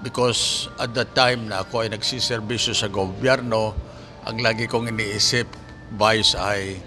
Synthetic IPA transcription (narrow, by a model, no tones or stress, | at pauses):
bɪkosʔɐt̪̚d̪ɐt̪ːajmnɐɐkoɐjnɐɡsisɛɾbisjosɐɡobjɛɾno | ʔɐ̰ŋlaːɡɪkoŋɪniːʔisɪp | vajsaj